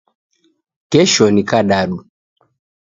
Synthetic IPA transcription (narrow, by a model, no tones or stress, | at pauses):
kɛʃɔnikaɗaɗu